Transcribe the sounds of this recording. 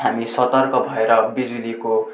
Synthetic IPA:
ɦamisʌt̪ʌrkʌbʱʌeɾʌbid͡zuliko

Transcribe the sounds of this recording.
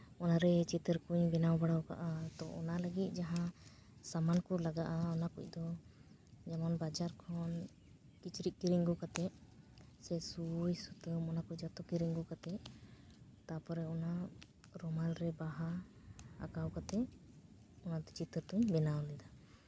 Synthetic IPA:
ɔnaɾɛt͡ʃit̪əɾkuɲbɛnawbaɽawka̰ʔat̪ɔʔɔ̰naləɡit̪̚ˀd͡ʒaɦã | samankɔlaɡaʔaɔnakṵc̚ˀd̪ɔ | d͡ʒɛmɔnbad͡ʒaɾkʰɔn | kit͡ʃɾiʔ̚kiɾiŋɡɔkat̪ɛʔ | sɛsujsut̪əmɔnakuc̚d͡ʒat̪ɔkiɾiŋɡɔkat̪ɛʔ | t̪apɔɾɛɔna | ɾɔmalɾɛbaɦa̰ː | kawkat̪ɛ | ɔnad̪ɔt͡ʃit̪əɾt̪uɲbɛnawnɛd̪a

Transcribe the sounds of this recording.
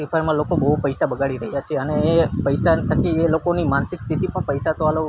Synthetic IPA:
ifaɾmãlokobəɦupəjsabəɡaɭiɾəɦijat͡ʃʰeəneːpəjsant̪ʰəkielokonimansɪkst̪ʰit̪ipəɳpəjsat̪oalo

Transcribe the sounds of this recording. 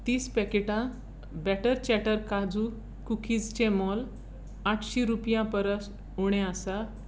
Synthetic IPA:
t̪iːspɛkeʈã | bɛʈəɾt͡ɕɛʈəɾkad͡zu | kukʰiːd͡zt͡ɕemɔl | aʈʰɕiɾupjãpəɾəs | uɽ̃ẽasa

